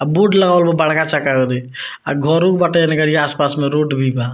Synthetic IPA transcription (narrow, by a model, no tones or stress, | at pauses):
abuɖləɡaəlbebaɽkat͡ʃakaɡɔd̪e | a̰ɡʱɔɾũkbaʈenekəɾijeaspasmeɾoɖbʱiba